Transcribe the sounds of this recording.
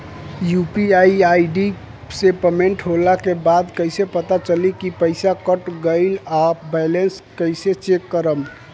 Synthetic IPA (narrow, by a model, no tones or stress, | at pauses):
jupiajajɖi | sepemeɳʈɦolakebad̪kəjsepət̪at͡ʃəlikipəɪsakəʈɡəɪlabɛlenskəjset͡ʃekːəɾəm